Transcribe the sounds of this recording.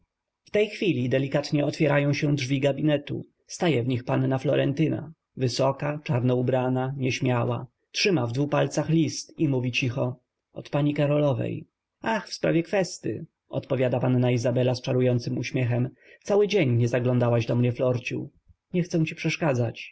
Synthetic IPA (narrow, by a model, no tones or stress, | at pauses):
ft̪ɛjxfʲilʲid̪ɛlʲikat̪ɲɛɔt̪fʲjɛɾajɔ̃w̃ɕɛdʐvʲiɡabʲinɛt̪ṵ | st̪ajɛvɲixpanːaflɔɾɛ̰nt̪ɘna̰ | vɘsɔkat͡ʂaɾnɔubɾanaɲɛɕmʲjawa̰ | tʂɘmavd̪vupalt̪saxlʲist̪imuvʲit͡ɕixɔ | ʔɔ̰t̪paɲikaɾɔlɔvɛ̰j | axfspɾa̰vʲjɛkfɛst̪ɘ̰ | ɔ̰t̪pɔvʲjad̪apanːaizabɛlast͡ʂaɾujɔnt̪sɘmuɕmʲjɛxɛm | t̪sawɘd͡ʑeɲɲɛzaɡlɔ̃nd̪awaʑd̪ɔmɲɛflɔɾt͡ɕṵ | ɲɛxt̪sɛ̃w̃t͡ɕi̥pʂɛʂkad̪zat͡ɕ